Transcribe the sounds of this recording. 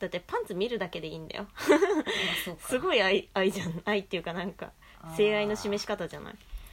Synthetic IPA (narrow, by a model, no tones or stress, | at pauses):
d̪̥at̪ːe̞pãnt͡sɨmʲiɾɯ̟d̪ake̞d̪e̞iːnd̪a̰jo | sɨɡo̞iaiaiʑanait̪ːeɯ̟kanãŋka̰ | se̞ːaino̞ɕime̞ɕi̥kat̪aʑa̰na̰i